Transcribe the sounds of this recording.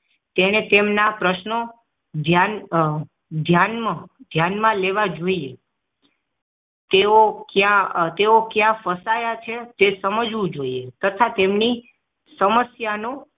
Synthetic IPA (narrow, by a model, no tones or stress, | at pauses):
t̪eñet̪emnapɾəʃnə | d̪ʱjan | d̪ʱjanmãd̪ʱjanmãleʋad͡ʒoie | t̪eokjãt̪eokjãfəsajat͡ʃʰet̪esəməd͡ʒʋũd͡ʒoiet̪ət̪ʰat̪emni | səməsjano